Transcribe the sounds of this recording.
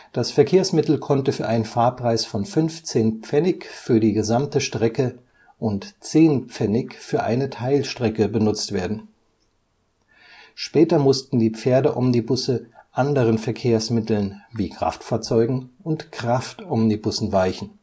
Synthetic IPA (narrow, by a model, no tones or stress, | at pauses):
d̥asfɛɐkʰeːɐsmɪtl̩kʰɔntəfyːɐʔaɪnənfaːɐpʁ̥aɪsfɔnfʏnft͡seːnpp͡fɛnɪkfyːɐdiːɡəzamtəʃtʁ̥ɛkə | ʔʊntt͡seːnpp͡fɛnɪkfyːɐʔa̰ɪnətʰaɪlʃtʁ̥ɛkəbənʊt͡stv̥eːɐdn̩ | ʃpɛːtɐmʊstn̩diːp͡feːɐdəʔɔmnibʊsəʔandəʁ̞ənfɛɐkʰeːɐsmɪtl̩nviːkʁ̥a̰ftfaːɐt͡sɔʏɡŋ̩ʊntkʁ̥aftʔɔmnibʊsn̩vaɪçn̩